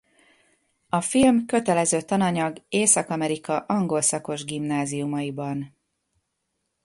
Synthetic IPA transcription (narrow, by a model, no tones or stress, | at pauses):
ɒfilmkø̞t̪ɛlɛzøːt̪ɒnɒɲɒɡeːsɒkɒmɛɾikɒʔɒŋɡo̞lsɒko̞ʒɡimnaːzijumɒibɒn